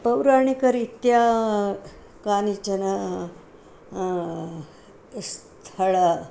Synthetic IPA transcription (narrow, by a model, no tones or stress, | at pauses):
pəwɾaɳikəɾit̪ja | kanit͡ɕəna | st̪ʰəɭa